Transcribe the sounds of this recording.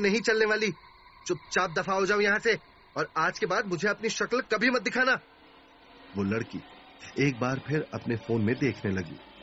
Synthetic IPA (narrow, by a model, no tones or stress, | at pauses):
nɐɦĩt͡ʃɐlneʋaːli | t͡ʃʊp̚t͡ʃaːb̚d̪ɐfaɦod͡ʒaːũjɐɦãse | ɔːɾaːd͡ʒkebaːd̪̚mʊd͡ʒʱeɐpniʃɐklkɐbʱimɐt̪̚d̪ɪkʰaːnaː | ʋoːlɐɽkḭː | eːk̚baːɾpʰɪɾɐ̰pnefoːnmẽd̪eːkʰnelɐɡḭː